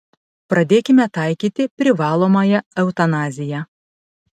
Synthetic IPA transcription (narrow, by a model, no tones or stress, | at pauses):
pɾɐd̪ʲeːkʲɪmʲɛt̪ɑˑɪkʲiːt̪ʲɪpʲɾʲɪʋɑːlˠoːmɑjɛɛʊt̪ɐnɑːzʲɪjɛ